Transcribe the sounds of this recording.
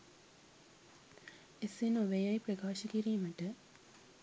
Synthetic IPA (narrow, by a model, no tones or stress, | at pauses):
esinoʋejɐjprɐkaːʃɐkiɾiːməʈə